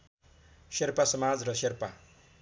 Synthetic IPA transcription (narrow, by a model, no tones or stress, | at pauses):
serpasʌmad͡zrʌserpa